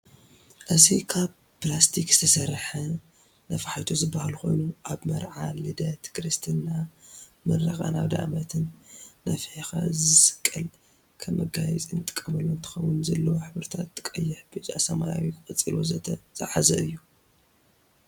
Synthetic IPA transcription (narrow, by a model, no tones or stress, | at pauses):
ʔɨzikʰaβ | plast̪ʰikz̥ɨ̥t̪ʰɐsɐɾħɐ | nɐfaħajt̪ʰozɨbːahalxo̞jnuʔaβmɐɾʕalɨd̪ɐt̪kɾɨst̪ʰɨnːamɐɾɐxʼa̰naβd̪a̰ʕmɐt̪ʰɨnːɐfħexa̰zɨsɨ̥kʼːɐl | kʰɐmɐɡajɛt͡sʼint̪ʼɨ̥kʼːɐmɐlːont̪ʰɨ̥xɐwʊnzɐlːɐwoħɨβɾt̪ʰat̪ːɨ̥kʼːɐjːɪħbɨza̰sɐmajawikkʼɨt͡sʼilozɐɐzʼaʕazɐɨjːu